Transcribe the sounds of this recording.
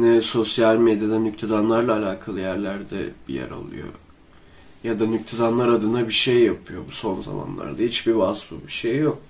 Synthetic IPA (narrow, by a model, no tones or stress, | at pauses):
nɛso̞sjalʲmed̪ijad̪anyct̪ʰed̪anlˠaɾlˠaːlʲaːkʰalˠɯjæɾlʲæɾd̪ɛ̰b̥ḭjæ̰ɾa̰lˠṵjo̞̰ | jad̪anyc̚t̪ʰed̪anlˠaɾad̪ɯnabiʃejːapʰɯjo̞buso̞nza̰ma̰nlˠa̰ɾd̪aɦit͡ʃbivasfɯbiʃejːok